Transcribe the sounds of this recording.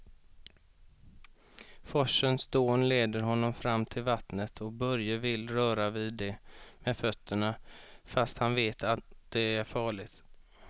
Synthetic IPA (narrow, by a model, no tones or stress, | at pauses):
fɔʂənsd̪oːnleːd̪əɾɦɔnːɔmfɾamːt̪ʰɪlvat̪nət̪ʰɔk̚bœɾjəvɪlɾœːɾavɪd̪ɛmɛfœt̪ʰːəɳafast̪hanveːt̪ʰat̪d̪̥ɛæɾfɑːɭɪɡt̪